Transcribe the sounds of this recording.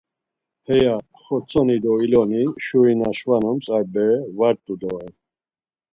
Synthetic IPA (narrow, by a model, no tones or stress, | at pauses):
hɛja | χɔt͡sʰɔnid̪ɔilɔniʃuɾinaʃvanɔmt͡sʼaɾbɛvaɾt̪ʼud̪ɔɛn